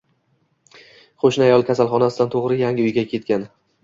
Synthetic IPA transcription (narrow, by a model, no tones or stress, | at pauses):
qʰoʃnɪajɒlˠkʲʰasalˠχɒnasɪd̪ant̪ʰoʁɾɪjaŋʲɪʊjɡʲakʲʰe̞t̪̚kʲan